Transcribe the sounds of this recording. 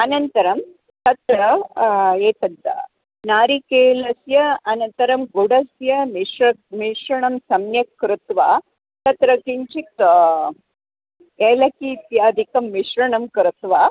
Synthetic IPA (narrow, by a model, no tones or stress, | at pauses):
ɐnɐnt̪ɐɾɐm | t̪ɐt̪ɾɐ | eːt̪ɐd̪ːa̰ | naːɾikeːlɐsjɐɐnɐnt̪ɐɾɐmɡuɽɐsjɐmiʃɾɐmiʃɾɐɳɐmsɐmnjɐkɾut̪ʋa | t̪ɐt̪ɾɐkiɲt͡ʃit̪ | eːlɐkiːt̪jaːd̪ʱikɐmːiʃɾɐɳɐmkɾut̪ʋaː